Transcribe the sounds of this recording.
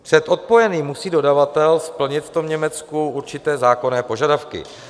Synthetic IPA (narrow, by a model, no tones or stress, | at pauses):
pr̝̥ɛt̪o̞t̪̚po̞jɛniːmːusiːdo̞davat̪ɛlspl̩ɲɪt̪ft̪o̞mɲɛmɛt͡skuʔuɾt͡ʃɪt̪ɛːzaːko̞nɛːpo̞ʒadafkɪ̰